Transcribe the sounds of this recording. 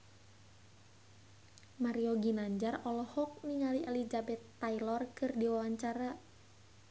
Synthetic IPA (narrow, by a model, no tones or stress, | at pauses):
maɾiɔɡinaɲd͡ʒarɔlɔhɔk̚niŋaliʔɛlid͡ʒabɛt̪ːailɔrkɨrdiwawaɲt͡ʃaɾa